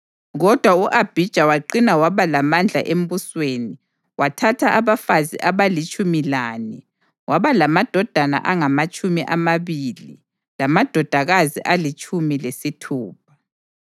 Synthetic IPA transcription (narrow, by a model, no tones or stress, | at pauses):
ɣɔd̥ʱwauʔab̥ʱid̥ʒ̥ʱawaǃinawaβalamand͡ɮʱa̰ʔem̩busweːni | watʰatʰaʔaβafazḭʔaβalit͡ʃʼumilaːni | waβalamad̥ʱɔd̥ʱana̰ʔaŋamat͡ʃʼumiʔamaβilḭ | lamad̥ʱɔd̥ʱaɣazḭʔalit͡ʃʼʰumilesitʰuːp̚ʰḁ